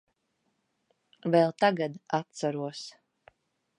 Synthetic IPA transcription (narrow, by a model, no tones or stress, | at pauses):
vɛlˠt̪aɡad̪at̪saɾuɔs